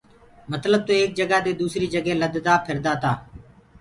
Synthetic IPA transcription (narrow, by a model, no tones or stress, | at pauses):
mət̪ləb̚t̪oːeːk̚d͡ʒəɡaːd̪eːd̪uːsɾiːd͡ʒəɡeːləd̪d̪aːpʰɪɾd̪aːt̪aː